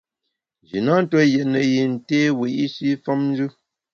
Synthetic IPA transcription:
d͡ʒi˨na˦n̩˦tɔ˦jɛ˨nə˨ji˨n̩˨teː˦wi˨ʔi˦si˦fɔ˦mn˦d͡ʒɨ˦

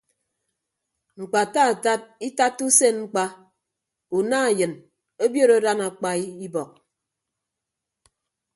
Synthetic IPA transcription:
ŋ͡m̩˨k͡pa˨ta˦a˨ta˦t̚i˦ta˦tːu˦se˦nŋ͡m̩˦k͡pa˦ | u˨na˦˨jɨ˨n | o˦bjo˦ɾo˦da˦na˨k͡pa˦i˦i˦bɔ˨k̚

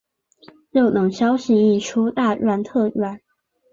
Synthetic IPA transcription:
ɻo˥˩ʊnɤ˨˥˦ŋɕjɑ˥ʊɕi˧˥i˥˩ʈ͡ʂʰu˥t̪a˥˧ɻwa˥˧nt̪ʰɤ˥˩ɻa˨˩˦n

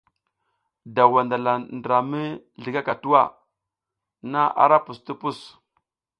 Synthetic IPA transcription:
da˨wa˨nda˨la˨ndɾa˨mi˦ | ɮi˨ɡa˦ka˨tu˦wa˦˨ | na˦ʔa̰˨ɾa˦pu˨sti˦pu˦˨s

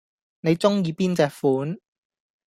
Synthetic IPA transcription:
ne˨˧jt͡sʊ˥ŋjiː˧piː˥nt͡sɛː˨˧k̚fuː˨˥n

